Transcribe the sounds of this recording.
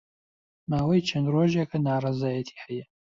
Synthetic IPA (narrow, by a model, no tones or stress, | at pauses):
maːwɐjt͡ʃʰɐnd̪roːʒekʰɐnaːrˤɑzaːjɐt̪ʰi̥ːhɛjɛ